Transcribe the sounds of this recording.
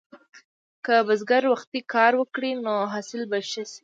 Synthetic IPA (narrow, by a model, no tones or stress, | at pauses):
kəbazɡaɾwaxt̪ikɑɾwəkɽinoɦɑsɪlbaʃəsi̥